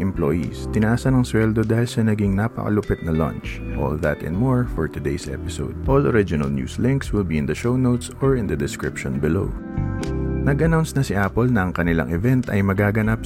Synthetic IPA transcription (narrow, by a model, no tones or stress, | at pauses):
ʔɛmplo̰jḭst̪ɪnɐʔaːsɐnɐŋswɛld̪o̞d̪aːhɪlsɐnɐɡɪŋnapɐ̰kɐ̰lʊpɛt̪̚nɐlã̰nt͡ʃʔo̰lðɐt̪ɪ̰nmɔɹfɔɹt̪ʊd̪ḛjsʔɛ̰pɪso̰wd̪̚ʔoloɹɪd͡ʒɪnɐ̰lnjṵːslɪ̃ŋkswɪlbiɪnd̪ɐʃownowt̪sɔɹɪnd̪ɐd̪ɪskɹɪpʃɔnbɪlo̰w | nɐɡɐnawnsnɐsɪʔapolnɐɐŋkɐnɪla̰ŋʔɛvɛnt̪ɐ̰jmɐɡaːɡɐnap̚